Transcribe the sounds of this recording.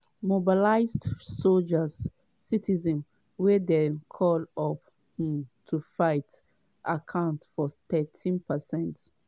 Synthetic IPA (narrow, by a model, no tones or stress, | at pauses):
mobilaɪzdsold͡ʒəsː | itizɛ̃n | wedekʰɔlɔp | hĩmtʰufaɪt | ʔakʰãʊ̃ntfɔtɛtʰĩnpəsɛ̃nt